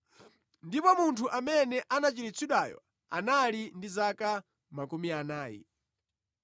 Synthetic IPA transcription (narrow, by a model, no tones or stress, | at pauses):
ndipɔmuntʰuʔamɛnɛʔanat͡ʃiɾit͡sʰiɗajɔ̰ | a̰nalindizaka | makumianaːjḭ